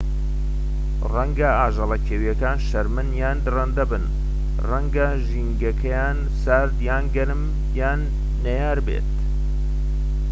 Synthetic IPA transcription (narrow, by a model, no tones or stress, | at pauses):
rɛŋɡɐaːʒɑlˠɐkʰeːwijɛkaːnʃɐɾmɨnjaːnd̪ɨrɨnd̪ɐbɨn | rɛŋɡɐ | ʒiŋɡɐkʰɐjaːn | saɾd̪jaːnɡɐɾɨm | jaːnː | ɐjaːɾbḛːt̪